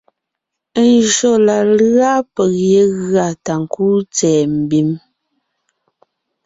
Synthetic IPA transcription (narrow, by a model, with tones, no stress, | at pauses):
nʒo˦˨la˨la˦pɛ˨ɣje˨˦ɣɰa˨ta˨ŋ˨kuː˦t͡sɛː˨m̩˨bi˨˦m